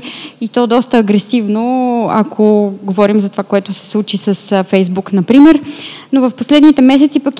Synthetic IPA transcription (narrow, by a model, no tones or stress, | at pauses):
it̪ɔd̪ɔst̪əːɡɾɛsivnoakʰoɡovɔɾimzɐt̪ovakoɛt̪ʊsɛ̥slˠut͡ʃisəsfɛjzbuknɐpɾimɛɾnovɐfposlɛd̪nit̪ɛmɛsɛt̪sipək